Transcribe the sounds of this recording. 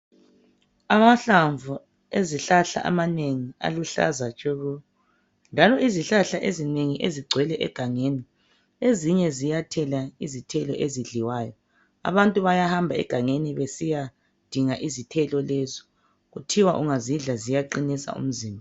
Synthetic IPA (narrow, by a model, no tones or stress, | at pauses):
amaɬaɱvʱu | eziɬaɬa̰ʔa̰maneŋia̰luɬa̰zat͡ʃʼoɣu | nd͡ʒʱalɔiziɬaɬaʔezineŋiʔeziɡ͡ǀʱwɛlɛʔɛɡ̥ʱaŋeni | eziɲɛzijatʰɛlaizitʰɛlɔ̰ʔeziɮiwaːjɔ | a̰βantʼuβajahambʱaɛ̰ɡ̥ʱaŋeniβesija | d̥ʱiŋaʔizitʰɛlɔlɛzɔ̥ | ɣutʰiwaʔuŋaziɮazijaǃinisa̰ṵm̩ziːmbʱa